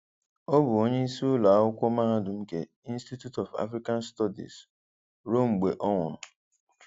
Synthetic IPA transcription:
o˦bʊ˨o˦ɲe˦i˦si˦ʊ˦la˨˦ʊ˦kʷʊ˦ma˦a˦dʊ˨m̩˦ke˦ | i˦n̩˦sti˦tju˦tɔ˨fa̰˦fɾi˦ka˦nstɔ˦dḭ˨s | ɾo˦mŋ͡m̩˨ɡ͡be˨ʔɔ˦ŋʊ̰˨ɾʊ˨

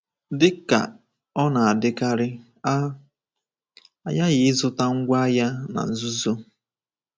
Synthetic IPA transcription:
dɪ˦ka̰˨ | ɔ˦na˨a˨dɪ˦ka˦ɾɪ˦ | a˨ja˦ɣɪ˨ɪ˦zʊ˦ta˦ŋ̩˦ɡʷa˦a˦ja˦na̰˨n̩˨zʊ˦zo˦

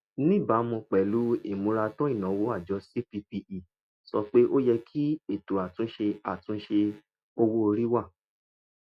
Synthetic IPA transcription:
nĩ˦˨ba˨˦mũ˧k͡pɛ˨lu˨˦ḭ˦˨mũ˧˦ɾa˧tɔ̃˦i˦˨nã˨˦wo˦a˦˨d͡ʒɔ˨˧˦si˦pi˧pi˧i˨ | sɔ˧k͡pe˦ʔo˦jɛ˧kʰi˦e˦˨to˨a˨tũ˦ʃe˧a˨tũ˨˦ʃe˧ | o˧wo˦o˧ɾi˦wa˦˨

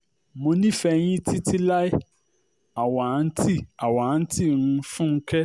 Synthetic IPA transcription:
mõ˧nĩ˦˨fɛ˧j̃ĩ˦ti˦ti˦la˦i˦ | a˨wa˨˦n̩˦ti˦a˨wa˨˦n̩˦ti˦˨nũ˦˧fũ˦ŋ̩˦kɛ˦

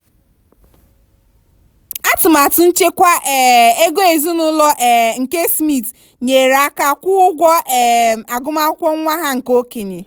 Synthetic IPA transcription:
a˦tʊ˨ma˨tʊ˨n̩˦t͡ʃe˦kʷa˦ɛ˨e˦ɡo˦e˨zi˦nʊ˦lɔ˦ʔŋ̩˨ke˦smi˦˨t | ɲe˨ɾa˦ka˦kʷʊ˦ʊ˦ɡʷɔ˦ɛ˨a˨ɡʊ˦ma˦kʷɔ˦ŋʷa˦ɦa˦ŋ̩˨ko˦ke˨ɲe˨

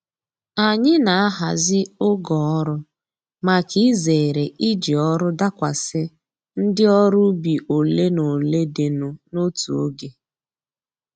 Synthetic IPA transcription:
a˨ɲɪ˦na˨a˦ɦa̰˨zɪ˦ʊ˦ɡɔ˨ɔ˦ɾʊ˦ | ma˨ki˦ze˨ɾe˨ʔi˦d͡ʒi˨ɔ˦ɾʊ˦da˦kʷa˨sɪ˦ | n̩˦dɪ˦ɔ˦ɾʊ˦bi˨ʔo˨le˦no˨le˦de˨no˨no˦tu˨o̰˦ɡe˨

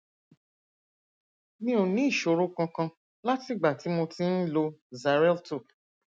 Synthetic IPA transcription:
nĩ˦o˨˧nĩ˨˦i˦˨ʃo˨ɾo˦kã˧kã˧ | la˦ti˦˨ɡ͡ba˨ti˨˦mo˧tĩ˦n̩˦lo˧za˨ɾɛ˦lto˦˨

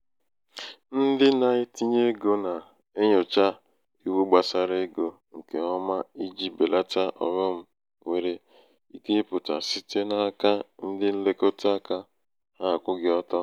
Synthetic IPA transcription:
n̩˦dɪ˦na˨ɪ˦ti˦ɲe˦ɡo˦na˨ | e˦ɲo˨t͡ʃa˦ | i˨wu˦ɡ͡ba˨sa˨ɾe˦ɡo˨ | ŋ̩˨ke˨ɔ˦ma˦i˦d͡ʒi˦be˨la˦ta˦ʔɔ̰˨ŋɔ˦m̩˦ | we˨ɾe˨ | i˦ke˦pʊ˨ta̰˨si˦te˦na˦ka˦n̩˦dɪ˦n̩˦le˦ko˦ta˦ka˦ | ha˦a˨kʷʊ˦ɡɪ˨ɔ˦tɔ˦

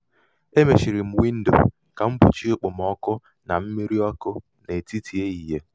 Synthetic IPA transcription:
e˦me˨ʃi˨ɾi˨m̩˨wi˦n̩˦do̰˨ | ka˨m̩˦bṵ˨t͡ʃi˦ʊ˦˨k͡pʊ˨m˨ɔ˦kʊ˦ | na˨m̩˦me˦ɾi˦ɔ˦kʊ˦ | ne˨ti˦tʰi˨e˦i˨ɦe˦

